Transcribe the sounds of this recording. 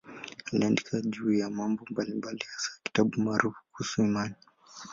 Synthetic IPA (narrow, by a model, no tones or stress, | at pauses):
haliandikʰaʄujamambɔmbalimbalihḁsaki̥taɓumaːɾufu̥kuhusuimani